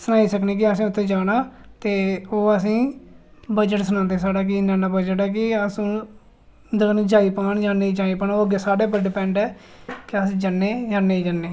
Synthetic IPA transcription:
sənaːiːsəkneːk̬ɪəsĩːʊt̪ʰːẽːd͡ʒaːɽ̃aːt̪eːoːəs̬ĩː | bəd͡ʒəʈsənãːnd̪eːsaːɽaːk̬ɪnaːnaːbəd͡ʒəʈɛːk̬ɪəsũː | d̪ənːd͡ʒaːiːpaːɳd͡ʒaːneiːd͡ʒaːiːpaːnoːəɡeːsaːɽeːpəɾɖɪpɛ̃ːɳɖɛːkɪəsĩd͡ʒanːeːd͡ʒaːneːiːd͡ʒənːeː

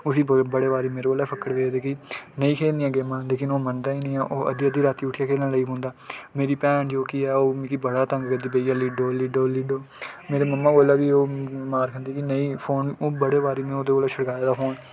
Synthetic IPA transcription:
ʊsĩːbəɽeːʋaːɾiːmeːɾeoːlɛːpʰəkːəɽʋeːd̪eːkiːnəĩːkʰeːlnd̪ijãːɡeːmãːleːkɪnoːmənd̪aːiːnə̃ːaːʔoːʔə̰d̪iːəd̪iːɾaːt̪iːʊʈʰɪjaːkʰeːlãːləiːɦõːnd̪aːmeːɾiːpɛːnd͡ʒoːkiɛːoːmikibəɽaːt̪ə̃ŋɡkəd̪iːbeiːjaːliːɖoːliːɖoːliɖoːmeːɾeːməmːãːɡoːlaːʋiːoːmaːɾkʰənd̪iːkinəiːpʰoːnoːbəɽeːʋaːɾiːmẽoːd̪eːoːleːʃʰəɽkaːjeːd̪aːɦoːn

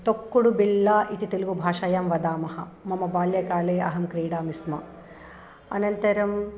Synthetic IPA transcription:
t̪okːuɽubilːaːʔit̪it̪ilɡubʱaːʃɐjɐmʋɐd̪aːmɐɦɐ | mɐmɐbaːljɐkaːleːʔɐ̰ɦɐmkɾiːɽaːmismɐ | ɐ̰nɐnt̪ɐɾɐm

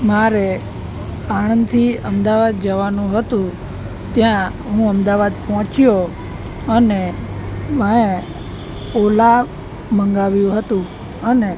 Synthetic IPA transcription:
maɾe | añənd̪t̪ʰiəmd̪aʋad̪̚d͡ʒəʋanũɦət̪ũ | t̪jã | ɦũəmd̪aʋad̪̚pɦɔ̃t͡ʃjo | əne | məe | ola | mə̃ŋɡaʋjũɦət̪ũ | əne

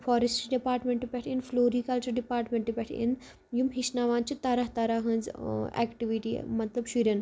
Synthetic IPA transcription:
fʰɔːɾesʈiɖipaːɾʈmẽɳʈipʲɛʈʰinfloːɾiːkɐlt͡ʃɐɾɖipaːɾʈmẽɳʈːipʲɛʈʰḭn | jumɦiʃnaːʋaːnt͡ʃʰit̪ɐɾɐɦt̪ɐɾaɦɐ̃nzɛ̰kʈiʋiʈḭːmɐt̪lɐbʃuɾʲɐn

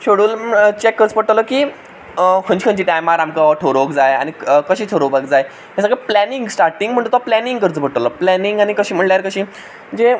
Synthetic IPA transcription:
ɕoɽuːlt͡ɕekːəɾət͡səpəɽʈ̪əlɔkiː | kʰənd͡ʑkʰə̃nt͡ɕiːʈajmaɾamkaɔʈʰoɾoʋəkd͡zaja̰ñikəɕiːt̪ʰoɾobaɡd͡zaj | jasaɡeplæniŋɡsʈaɾʈiŋɡm̤əɳʈut̪aplæniŋɡkəɾət͡spəɽʈ̪lɔplæniŋɡañikəɕiːm̤əɳljaɾkəɕiː | məɳd͡ze

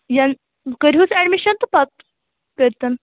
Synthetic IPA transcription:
jan | kəɾɦusæɖmiɕənt̪upat̪̚ | kəɾt̪ən

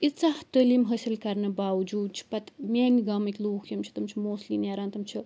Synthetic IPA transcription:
it͡sɐht̪əlimɦɐsʲilkɐɾnɐbaːwd͡ʒuːd̪̚t͡ʃʰi̥pɐt̪mʲaːnʲiɡɐmɐkʲluːkʰjɐmt͡ʃʰi̥t̪ɐmt͡ʃʰimoːsliːneːɾaːnt̪ɐmt͡ʃʰi

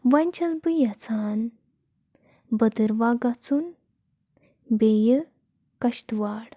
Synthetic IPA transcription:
ʋɐnʲt͡ɕʰɐt͡sbɨjɐt͡sʰaːn | bəd̪əɾʋaːɡat͡sun | beːjə | kɐɕt̪ʋaːɽ

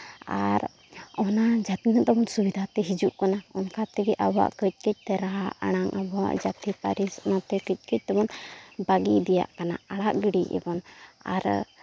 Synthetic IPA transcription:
aɾ | ɔnad͡ʒat̪inɔt̪ɛbɔnsubid̪ʱat̪ɛɦid͡ʒuʔkanaɔnkat̪ɛɡɛʔaba̰ʔkəc̚ˀkəc̚ˀt̪ɛɾaɦaʔa̰ɽ̃aŋʔabɔwa̰ʔd͡ʒat̪ipaɾisnɔt̪ɛkəc̚ˀkəc̚ˀt̪ɛbɔnbaɡid̪ɛja̰ʔkana̰aɽaʔɡiɽiɛ̰bɔna̰ɾ

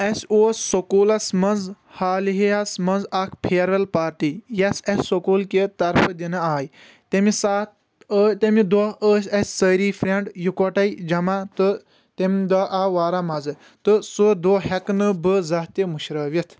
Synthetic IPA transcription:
ɐsʲoːsʲsokuːlɐsmɐnz | haːliɦiɐsmɐnzɐkʰpʰeːɾɐlpaːɾʈiːjɐsʲɐsʲsokuːlket̪ɐɾpʰɨd̪inɨaːj | t̪emisaːt̪ | t̪emid̪oəːsʲɐsʲsəːɾiːfʰɾʲeɳɖjukɐʈɐid͡ʒɐmat̪ɨ | t̪emʲd̪ɐʔaːʋaːɾamɐzɨ | t̪ɨsud̪oːɦɛknɨbɨzɐɦt̪imuʃɾɐːʋit̪ʰ

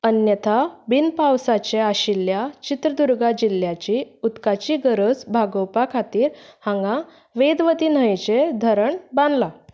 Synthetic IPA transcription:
ənjət̪ʰabinpawsat͡ɕeaɕiljat͡ɕit̪ɾəd̪uɾɡad͡ʑiljat͡ɕiut̪kat͡ɕiːɡəɾəd͡zbʱaɡəwpakʰat̪iːɾhãŋɡã | ʋed̪ʋət̪iːn̤əjt͡ɕed̪ʱəɾəɳbãnd̪la

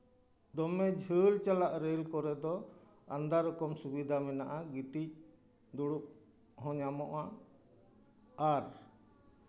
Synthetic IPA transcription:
d̪ɔmɛd͡ʒʱəlt͡ʃalaʔɾɛlkɔɾɛd̪ɔ | and̪aɾɔkɔmsubid̪ʱamɛnaʔaɡit̪ic̚ | d̪uɽuk̚ | ɦɔ̃ɲamɔʔa | aɾ

